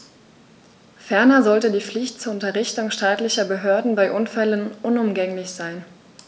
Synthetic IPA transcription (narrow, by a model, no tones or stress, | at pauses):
fɛɐnɐzɔltədiːp͡flɪçtt͡suːɐʊntɐʁɪçtʊŋʃtaːtlɪçɐbəɦøːɐdn̩baɪʔʊnfɛlənʔʊnʊmɡɛŋlɪçz̥aɪn